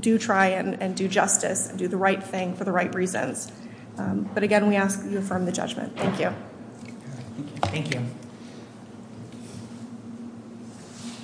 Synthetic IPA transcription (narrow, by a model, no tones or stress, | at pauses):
d̥ɨtʰɹ̥aɪɨ̃nɨ̃ndɨd͡ʒʌstɨ̰sɨ̃ndɨðɨɹaɪt̪̚θɪ̃ŋfə˞ðəɹaɪʔ̚ɹizɨ̰̃nz̥ | b̥ʌɾɨɡɛ̃nwiæskjɨəfɜ̃˞mðɨd͡ʒʌ̰d͡ʒmɨ̰̃nθæ̃ŋkʰjʉ | θæ̃ŋkjʉ